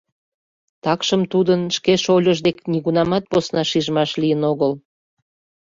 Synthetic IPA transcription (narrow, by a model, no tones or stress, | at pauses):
t̪ɑkʃəmt̪ud̪ənʃkeʃolʲəʒd̪ekniɣunɑmɑt̪̚posnɑʃiʒmɑʃlijənoɣəl